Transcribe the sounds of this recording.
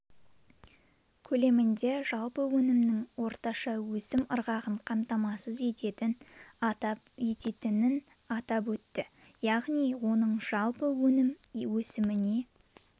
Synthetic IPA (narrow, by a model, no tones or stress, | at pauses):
kʲʰɵle̞mɪnd̪e̞ʒɑlˠpəwɵnɪmnɪŋwo̞ɾt̪ɑʃɑwɵsɪmʊɾʁɑʁəɴqʰɑmt̪ɑmɑsəze̞t̪e̞t̪ɪnt̪ɑpe̞t̪e̞t̪ɪnɪn | ɑt̪ɑp̬wɵt̪ːɪ | jɑʁnijwo̞nəɴʒ̥ɑlˠpəwɵnɪmwɵsɪmɪne̞